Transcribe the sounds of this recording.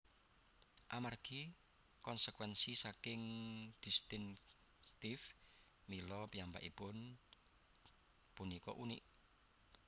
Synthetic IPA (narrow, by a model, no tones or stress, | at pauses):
ʔamarɡ̥i | kɔnsəkwɛnsisakɪŋd̪̥i̤st̪ɪŋ | st̪if | milɔpiamba̰ʔipʊn | punikɔ̰ʔunḭʔ